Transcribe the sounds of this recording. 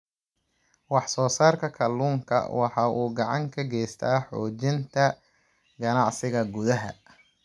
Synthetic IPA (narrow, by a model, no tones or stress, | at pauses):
wɑħsɔːsaːrkʰɐkʰɐluːŋkʰɐ̰wɑħɑːʔuːɡɑʕɑ̰ŋkʰɐɡɛːst̪ʰaːħɔːt͡ʃɪnt̪ʰɐ | ɡɐnɑʕsɪɣɐɡʊðɐɦɐ̰